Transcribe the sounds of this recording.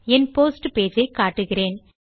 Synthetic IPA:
ɛnpoːsʈpeːd͡ʒɐɪkːaːʈːɯɣɪreːn

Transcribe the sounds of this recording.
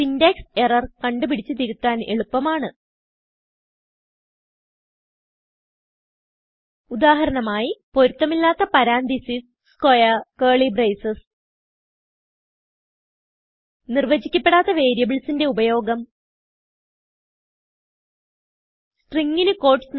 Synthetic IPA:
indekserɐrkɐɳɖɨpiɽit͡ɕːɨt̪iɾut̪ːaːne̞̰ɭupːɐmaːɳɨ | ud̪aːɦɐɾɐnɐmaːjipo̞ɾut̪ːɐmilːaːt̪ːɐpɐɾaːnd̪isis | skojɐkeːɭibrejsɐs | nirʋɐd͡ʑikʲːɐpːe̞ɽaːt̪ːɐʋe̞ːɾjɐbiɭsinde̞ubɐjo̞ːɡɐm | sʈriŋɡinɨko̞ːʈsn

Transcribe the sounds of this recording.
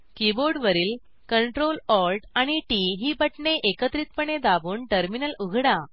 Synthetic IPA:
kiboɾɖʋəɾiːl | kəɳʈɾolɔlʈaɽ̃iʈiɦiːbəʈɳeʔekət̪ɾit̪̚pəɳed̪abuːɳʈəɾminəluɡʱɽã

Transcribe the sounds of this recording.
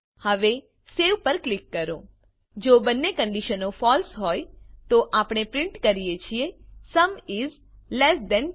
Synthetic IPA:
həʋe | seʋpəɾklɪkːəɾõ | d͡ʒobənːekə̃ɳɖiʃənofɔlsɦojt̪oʔapɳ̃epɾɪ̃ɳʈkəɾijet͡ʃʰiesəmiz | lɛsd̪ɛ̃n

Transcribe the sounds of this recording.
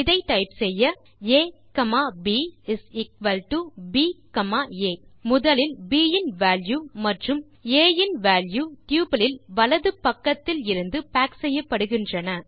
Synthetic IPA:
ɪðɐɪʈɐɪpsɛjːɐ | eːkɐmaːbiːɪsɪkʋɐlʈubiːkɐmaːeːmʊðɐlɪlbiːjɪnʋaːljuːmɐʈrɯm | eːjɪnʋaːljuːt̪juːpɐlɪlʋɐlɐðɯpːɐkːɐt̪ːɪlɪɾɯnd̪ɯpaːksɛjːɐpːɐɽɯɣɪndrɐnɐ

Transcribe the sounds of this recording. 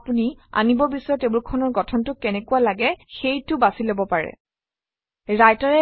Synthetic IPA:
punia̰nibɔbisɔjɔtebulkʰɔnɔɹɡɔtʰɔntʊkɛnɛkualaɡɛxejtʊbasilobɔpaɹɛ̰ | ɹajtaɹɛ

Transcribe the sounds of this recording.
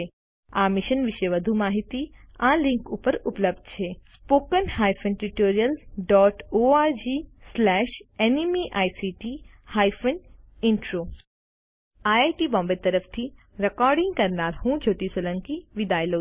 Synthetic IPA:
e | amɪʃənʋɪʃeʋəd̪ʱumaːɦit̪iãlɪ̃ŋkupəɾʊpləbd̪̚t͡ʃʰespoːkənhaːjfʰənʈɾiʈoːɾijəlɖɔːʈoːaːɾd͡ʒiːslɛʃenimiʔaːjsiʈi | haːjfʰən | ɪ̃ɳʈɾo | aːaːjʈibɔ̃ːmbet̪ɐɾəfʰt̪ʰi | ɾekɔːɾɖɪ̃ŋɡ̚kɐɾnaːɾhũd͡ʒʱoːt̪isolə̃ŋkiʋid̪aːjlo

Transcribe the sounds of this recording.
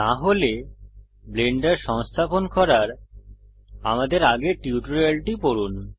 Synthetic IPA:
t̪aɦole | bleɳɖaɾʃɔŋst̪ʰaponkɔɾaɾ | a̰mad̪eɾaɡeʈiuʈoɾelʈipoɾun

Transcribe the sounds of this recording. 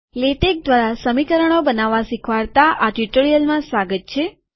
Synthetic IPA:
leʈek̚d̪ʋaɾasəmikəɾəɳ̃obənaʋːasikʰʋaɾt̪aʔaʈiʈoɾijəlmãsʋaɡət̪̚t͡ʃʰe

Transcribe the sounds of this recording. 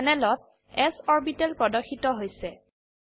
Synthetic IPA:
nɛlɔt̚ | ɛsɔɹbitɛlpɹɔdɔxitɔɦojsɛ

